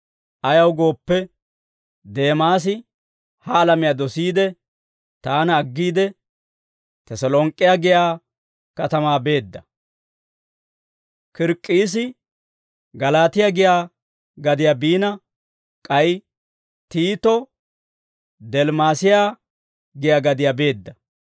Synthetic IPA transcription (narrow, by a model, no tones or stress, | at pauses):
ʔɐjɐwɡo̞ːpːɛ | d̪e̞ːmaːs̬ɪ | hɐːlɐmɪjaːd̪ɔsiːd̪ɛ | t̪aːnɐːɡːiːd̪ɛ | t̪ɛsɐlɔːŋkʼːɪjaɡɪjaː | kɐt̪ɐmaːbe̞ːd̪ːɐ | kɪɾkʼːiːs̬ɪ | ɡɐlaːt̪ɪjaɡɪjaː | ɡɐd̪ɪjaːbiːnɐ | kʼɐj | t̪iːt̪ɔ | d̪ɛlmaːsɪjaː | ɡɪjaːɡɐd̪ɪjaːbe̞ːd̪ːɐ